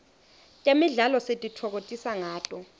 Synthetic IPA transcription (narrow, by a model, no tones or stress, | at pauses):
tʼemiɮalɔsetʼitʰɔk̬otʼisaŋaːtʼɔ